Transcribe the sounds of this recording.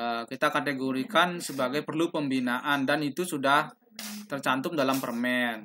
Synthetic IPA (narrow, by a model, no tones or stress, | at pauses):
əkit̪akat̪eɡoɾikansəbaɡajpərlupəmbinaʔandanit̪usudah | t̪ərt͡ʃant̪ʊm̚dalampərmɛn